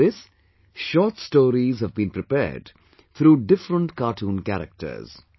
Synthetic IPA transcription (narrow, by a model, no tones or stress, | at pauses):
ɪs | ʃɔːʈsʈoːɾizhəvbĩːnpɾɪpɛ̰ːɾɖ | t̪ʰɾuːɖɪfɾə̃nʈkaːʈʰũːnkæ̰ɾə̰k̚ʈə̰ɾz̥